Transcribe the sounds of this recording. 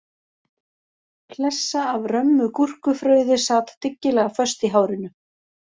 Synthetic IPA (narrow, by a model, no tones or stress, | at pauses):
kʰlɛsːaːvrœmːʏkur̥kʏfɾœːɥðɪsaːt̪t̪ɪcːɪlɛɣafœst̪iɦaːwɾɪnʏ